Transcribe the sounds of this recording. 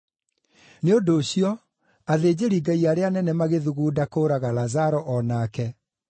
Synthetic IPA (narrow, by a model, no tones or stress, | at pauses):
neodoːɕiɔ | aðeːd͡ʑeɾiɡaiaɾeanɛnɛmaɣeðuɣuːdakoːɾaɣalazaɾɔʔɔnaːkɛ